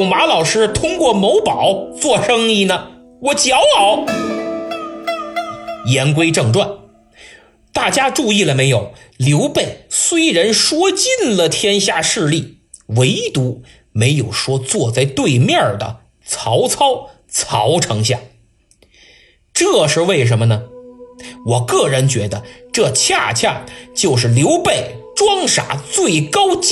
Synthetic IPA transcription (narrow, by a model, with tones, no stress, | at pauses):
ŋma˧˥lɑ˨˩ʊʂɻ̩˥t̪ʰʊ˥ŋkwɔ˥˩mo˧˥ʊpɑ˨˩˦ʊt͡swɔ˥˧ʂɤ˥ŋi˥˩nə˩ | wɔ˨˩t͡ɕjɑ˧˥ʊlɑ˨˩˦ʊ | jɛ˧˥nk̬we˥ɪʈ͡ʂɤ˥˧ŋʈ͡ʂwa˥˩n | t̪a˥˩t͡ɕja˥ʈ͡ʂu˥˧i˥˩lə˩me˧˥ɪjo˨˩ʊljo˧˥ʊpe˥˩ɪswe˥ɪɻə˧˥nʂwɔ˥t͡ɕi˥˧nlə˨t̪ʰjɛ˥nɕja˥˧ʂɻ̩˥˧li˥˩ | we˧˥ɪt̪u˧˥ | me˧˥ɪjo˨˩ʊʂwɔ˥t͡swɔ˥˧t͡sa˥˧ɪt̪we˥˧ɪmjɑ˥˩d̪ə̰˩ | t͡sʰɑ˧˥ʊt͡sʰɑ˥ʊ | t͡sʰɑ˧˥ʊʈ͡ʂʰɤ˧˥ŋɕ̬ja̰˥˩ŋ | ʈ͡ʂɤ˥˧ʂɻ̩˥˧we˥˩ɪʂ̬ə˧˥nmə˧nə˩ | wɔ˨˩kɤ˥˩ɻə˧˥nt͡ɕɥɛ˧˥d̪ə˧ʈ͡ʂɤ˥˧t͡ɕʰja˥˧t͡ɕʰja̰˥˩t͡ɕjo˥˧ʊʂ̬ɻ̩˥˩ljo˧˥ʊpe˥˩ɪʈ͡ʂwɑ˥ŋʂa̰˨˩t͡swe˥˩ɪkɑ˥ʊt͡ɕ